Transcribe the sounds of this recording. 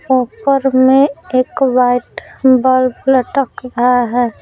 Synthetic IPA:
oːpəɾmẽeːkwaɪʈbəlbləʈəkɾəaɦɛː

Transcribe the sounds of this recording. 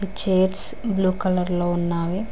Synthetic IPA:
it͡ʃeːɾsbluːkɐlɐɾloːunːaːʋi

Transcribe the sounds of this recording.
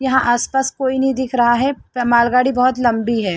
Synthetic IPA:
jɐɦãʔaːspaːskoːinɐɦĩd̪ɪkʰɾɐɦaɦɛmaːlɡaːɽibɐɦʊt̪lɐ̃mbiɦɛː

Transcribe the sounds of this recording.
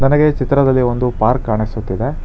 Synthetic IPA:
nɐnɐɡe̞t͡ʃit̪ɾɐd̪ɐlːio̞nd̪upaːɾkːaːɳisut̪ːid̪e̞

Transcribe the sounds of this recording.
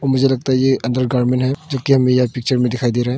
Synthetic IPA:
ɔːɾmʊd͡ʒʱelɐɡ̚t̪aɦɛjeɐ̃nd̪əɾɡaɾmẽnʈɦɛd͡ʒokiɦɐmẽjapik̚t͡ʃəɾmẽd̪ɪkʰajd̪eɾɐɦɛ̃

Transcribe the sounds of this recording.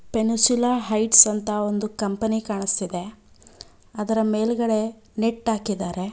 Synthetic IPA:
penisulaːɦɐjʈsɐnt̪ɐo̞nd̪ukɐmpɐnikaːɳist̪id̪e̞ | ɐd̪ɐɾɐmeːlɡɐɭe̞ | neʈːaːkid̪aːɾe̞

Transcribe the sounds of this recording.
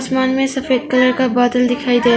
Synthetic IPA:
smanmesɐpʰet̚kɐlɐɾkabad̪ɐld̪ikʰajd̪e

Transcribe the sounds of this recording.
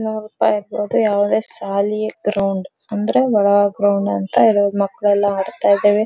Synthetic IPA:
nuɾuːpa̰ːjiɾbo̞ːd̪ujaːʋud̪e̞ːsaːliɡɾɐwɳɖ | ɐnd̪ɐɾe̞ʋɐɭɐʋɐɡɾɐwɳɖɐnt̪ɐiɽomɐkːɐɭɛlːɐaːɽt̪aːjd̪ːeːʋe

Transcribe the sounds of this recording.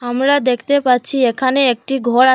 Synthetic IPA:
amɾad̪ekʰt̪epaɾːt͡ɕʰiekʰaneek̚ʈiɡʱɔɾa

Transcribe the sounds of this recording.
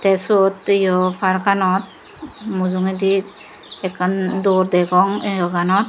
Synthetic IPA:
t̪ɛsɔt̪ijɔpʰaɾkanɔt̪̚ | muzuŋed̪i | ɛkːand̪ɔɾd̪ɛɡɔŋɔɡanɔt̪̚

